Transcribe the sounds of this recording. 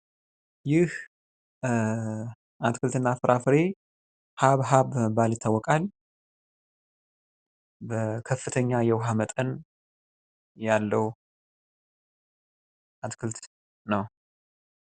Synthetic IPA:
jɪh | ʔat̪kʰɨlt̪ɨnːafɨɾʔafɨɾe̞ | haβɦaβməbaljɪt̪ʰːawːɔkʼal | bəkʰəfɨt̪ʰəɲːajɛwɦamət̪ʼən | jalːəw | ʔat̪kʰɨlt̪ | nəw

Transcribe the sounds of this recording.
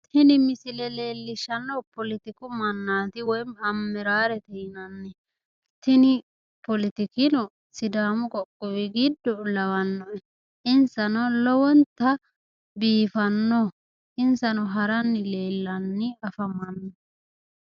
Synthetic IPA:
t̪ʰɪnɪmɪsɪlɛle̞ːlːɪʃɐnːɔpɔlɪt̪ɪkʊmɐnːaːt̪ɪwɔjmɐmːɛɾaːɾɛt̪ɛjɪnɐnːɛ | t̪ʰɪnɪ | pɔlɪt̪ɪkɪnɔ | sɪd̪aːmʊkʼɔkʼːɔwɪɡɪd̪ːɔlɐwɐnːɔɛ | ɪnsɐnɔlɔwɔnt̪ːɐ | biːfɐnːɔ | ʔɪnsɐnɔɦɐɾɐnːɪle̞ːlːɐnːɪɐfɐmɐnːɔ

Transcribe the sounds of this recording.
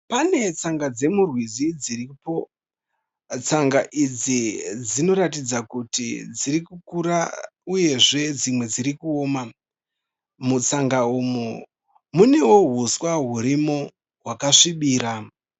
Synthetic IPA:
pane̞t͡saŋɡad͡ze̞murwizid͡ziripo̞ | t͡saŋɡaʔid͡zid͡zino̞ɾatid͡zakutḭd͡ziɾikukuɾauje̞ʐe̞d͡zimwe̞d͡ziɾikuoːma | mut͡saŋɡaumu | mune̞wo̞ɦuswaɦuɾimo | ɦwakaʂiɓiːɾa

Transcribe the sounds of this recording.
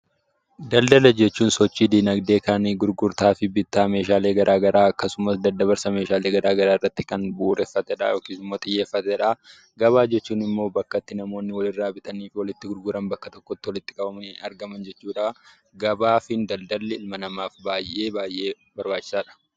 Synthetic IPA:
d̪ɐld̪ɐlɐd͡ʒɛt͡ʃːuːnsɔt͡ʃːiːd̪iːnɐɡd̪e̞ːkaːnɡʊɾɡʊɾt̪aːfɪbɪt̪ːaːme̞ːʃaːle̞ːɡɐɾʔaːɡɐɾaːɐkːɐsʊmɐsd̪ɐd̪ːɐβɐɾsɐme̞ːʃaːle̞ːɡɐɾaːɡɐɾaːɪrːɐt̪ːɪkɐnbuʔːɾɛfːɐt̪ɛᶑɐ̰joːkiːsɪmːoːt̪ʼɪjːeːfːɐt̪ɛᶑɐ | ɡɐβaːd͡ʒɛt͡ʃːuːnɪmːo̞ːbɐkːɐt̪ːɪnɐmo̞ːnːɪwɐlɪrːaːbɪt̪ɐniːfɪwɔlɪt̪ːɪɡʊɾɡʊɾɐnbɐkːɐt̪ɔkːɔt̪ːɪwɔlɪt̪ːɪ̥kʼɐbɐmɐnɪɐɾɡɐmɐnd͡ʒɛt͡ʃːuːᶑaː | ɡɐbaːfɪnd̪ɐld̪ɐlːɛɪlmɐnɐmaːfbaːjʔːe̞ːbaːjʔe̞ː | bɐɾbaːt͡ʃːɪ̥saːᶑɐ̥

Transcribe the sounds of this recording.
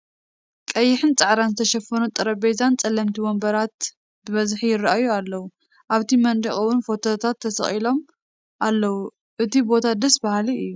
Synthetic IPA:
kʼɐjːɪħɨnt͡sʼɨʕɾanzɨt̪ʰɐʃɐfːɐnut̪ʼɨɾɐbejzant͡sʼɐlːɐmt̪ʰiwombɐɾat̪̚ | bɨβɐzħijɪrʔajualːɐwu | ʔaβt̪ʰimɐnd̪iχʼɐwunfo̞t̪ʰot̪ʰat̪ʰːɐsɐ̰χʼilo̞m | ʔalːɐwu | ʔɨt̪ʰibo̞t̪ʰad̪ɐsbahliɨjːu

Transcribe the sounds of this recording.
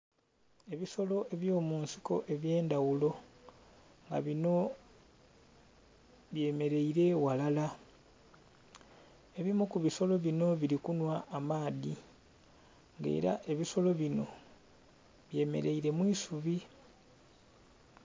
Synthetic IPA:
e̞βiso̞lo̞ʔe̞βjo̞ːmuːnsi̥ko̞̰ʔe̞βje̞ːnd̪awulo̞ | ŋɡa̰βino̞ | βje̞ːme̞ɾe̞iɾe̞walala | e̞βimokuβiso̞lo̞βino̞βiɾikunwaʔːmaːði | ŋɡe̞̰ːɾa̰ʔe̞βiso̞lo̞βino̞̰ | βje̞ːme̞̰ɾe̞iɾe̞mwiːsuβi

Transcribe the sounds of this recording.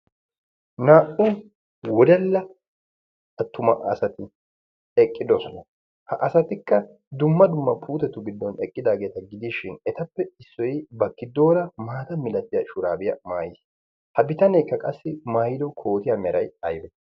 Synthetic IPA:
naːʔʊ | wɔd̪ɐlːɐ | ɐt̪ːʊmɐɐ̰sɐt̪ɪ | ɛkʼːɪd̪ɔsɔnɐ | hɐʔɐsɐt̪ɪkːɐ | d̪ʊmːɐd̪ʊmːɐpʰuːt̪ɛt̪ːʊɡɪd̪ːɔnɛkʼːɪd̪aːɡe̞ːt̪ɐɡɪd̪iːʃɪnɛt̪ɐpːɛɪsːɔjɪbɐkːɪd̪o̞ːɾɐmaːt̪ɐmɪlɐt̪ːɪjɐʃʊɾaːbɪjɐ̰maːjɪs | hɐbɪt̪ɐnɛkːɐkʼɐsːɪmaːjɪd̪ɔkʰo̞ːt̪ɪjɐmɛɾɐjɐjbɛ

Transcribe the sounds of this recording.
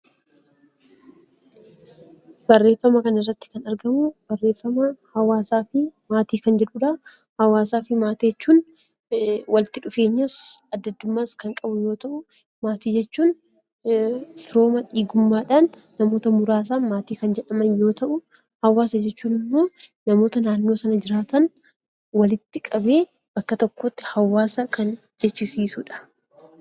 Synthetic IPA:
b̥ɐrːe̞ːfːɐmɐkɐnɐɪrːɐt̪ːɪ̥kɐnɐɾɡɐmʊb̥ɐrːe̞ːfːɐmɐhɐwaːsaːfɪmaːt̪iːkɐnd͡ʒɛᶑʊᶑɐhɐwaːsaːfɪmaːt̪iɛt͡ʃːuːn | wʔɐlt̪ɪᶑʊfe̞ːɲːɐsɐd̪ːɐd̪ːʊmːaːskɐŋkʼɐbʊjo̞ːt̪ɐʔʊ | maːt̪iːd͡ʒɛt͡ʃːuːn | fɪɾo̞ːmɐᶑiːɡʊmːaːᶑaːnː | ɐmo̞ːt̪ɐmʊɾaːs̬aːmaːt̪iːkɐnd͡ʒɛᶑɐmɐnjo̞ːt̪ɐʔʊ | hɐwːaːsɐd͡ʒɛt͡ʃːuːnɪmːo̞ːnɐmo̞ːt̪ɐnaːnːo̞ːsɐnɐd͡ʒɪɾaːt̪ɐn | wɐlɪt̪ːɪkʼɐbe̞ː | bɐkːɐt̪ɔkːo̞ːt̪ːɪ̥hɐwːaːsɐkɐn | d͡ʒɛt͡ʃːɪsiːsʊᶑɐ̥

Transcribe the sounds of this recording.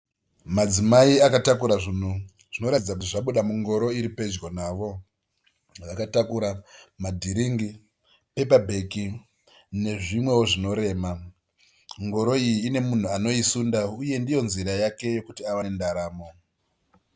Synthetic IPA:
mad͡zimaiakatakuɾaʐin̤u | ʐ̥ino̞ɾad͡zak̬utiʐaɓuɗamuŋɡo̞ɾo̞iɾipe̞d͡ʒɡo̞naːʋo̞ | ʋakatakuɾamadʱiɾiŋɡi | pe̞pabʱe̞ki | ne̞ʐimwe̞woʐino̞ɾe̞ːma | ŋɡo̞ɾo̞ijiːne̞mun̤uano̞isundauje̞ndijo̞nziɾajake̞jo̞kutiaʋandaɾaːmo̞

